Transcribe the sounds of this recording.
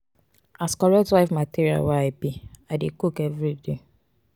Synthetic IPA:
askɔɹɛk̚twaɪfmatiɹia̰waabiadekukɛvɹide

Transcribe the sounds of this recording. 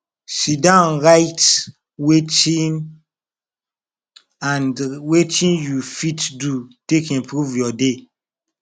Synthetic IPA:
sidãʊ̃nɹaɪt | wet͡ʃĩn | ãnwet͡ʃĩnjufitdutekĩmpɹuvjɔde

